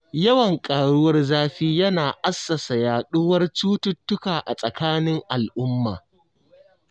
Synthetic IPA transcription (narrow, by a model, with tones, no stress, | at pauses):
jɐ˦wɐ˨ŋkʼaː˨ɽʊ˦wɐ˦rzaː˦ɸiː˦jɐ˦naː˨ʔa˦sːɐ˨sa˨jaː˨ɗʊ˦wɐ˦rt͡ʃuː˦tʊ˦tːʊ˦kaː˨ʔa˨sʼɐ˨kaː˦nɪ˦ŋʔa˨lʔʊ˦mːa̰ː˨